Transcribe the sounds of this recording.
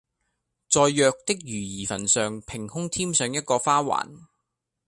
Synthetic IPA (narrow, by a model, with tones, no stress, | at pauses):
t͡sɔː˨˧jːœː˧k̚t̪ɪ˥k̚jyː˨˩jiː˨˩fɐ˨˩nsœː˨ŋpʰɪ˨˩ŋhʊ˥ŋt̪ʰiː˥msœː˨˧ŋjɐ˥t̚kɔː˧faː˥wa̰ː˨˩n